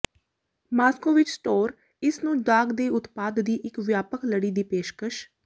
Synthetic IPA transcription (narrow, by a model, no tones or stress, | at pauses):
maːskoːʋɪt͡ʃsʈoːɾ | ɪsnũːɖaːɡd̪eːʊt̪paːd̪ːiːʔɪkʋjaːpəkləɽiːd̪iːpeːʃkəʃ